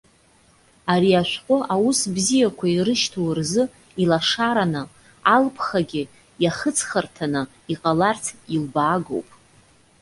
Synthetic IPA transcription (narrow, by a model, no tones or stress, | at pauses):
aɾiaʃʷᶣqʼʊʔawusbzijakʷʰairɨʃtʰowrzɨ | ilaʂaɾanɨ | alpʰχaɡʲɪ | jaχət͡sʰχartʰanɨ | iqʼalartʰilbaːɡo̰wpʼ